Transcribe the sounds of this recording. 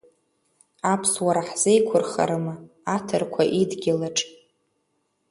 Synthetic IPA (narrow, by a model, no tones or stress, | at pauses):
apʰswaɾaħz̥ejkʷʰʊrχa̰ɾɨmɨ | atʰɨrkʷʰaʔidɡʲɪlaʈ͡ʂʼ